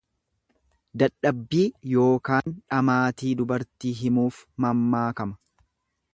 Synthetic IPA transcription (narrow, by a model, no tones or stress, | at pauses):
d̪ɐᶑːɐbːiːjo̞ːkaːnᶑɐmaːt̪iːd̪ʊbɐɾt̪iːɦɪmuːfmɐmːaːkɐmɐ̥